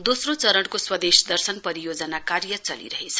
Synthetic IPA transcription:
d̪osrot͡sʌɾʌɽkoswʌd̪esd̪ʌrsʌnpʌɾijod͡zʌnakaɾjʌt͡sʌlḭɾʌɦet͡sʰʌ

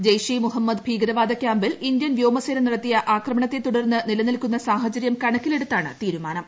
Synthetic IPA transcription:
d͡ʑejʂimuɦɐmːɐd̪bʱiːɡɐɾɐʋaːd̪ɐkʲjaːmbilind̪jɐnʋjo̞ːmɐseːɾɐmniɽɐt̪ːijɐʔaːkrɐmɐɳɐt̪ːet̪uɽɐrnːɨnilɐnilkːun̪ːɐsaːɦɐt͡ɕɐɾjɐmkɐɳɐkʲːile̞ɽut̪ːaːɳɨt̪iːɾumaːnɐm

